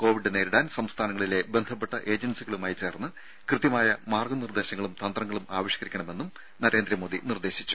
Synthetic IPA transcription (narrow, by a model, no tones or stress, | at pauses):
ko̞ːʋiɖːɨneːɾiɽaːnsɐmst̪ʰaːnɐŋːɐɭile̞bend̪ʱɐpːe̞ʈːɐʔe̞ːd͡ʑɐnsiɣɐɭumaːjit͡ɕe̞ːrnːɨ | krɨt̪jɐmaːjɐmaːrɡɐnird̪e̞ːɕɐŋːɐɭumt̪ɐnd̪rɐŋːɐɭumaːʋɐɕjɐ̥kɐɾikʲːɐɳɐme̞nːum | nɐɾe̞ːnd̪ɾiɐmo̞ːd̪inird̪e̞ːɕit͡ɕːu̥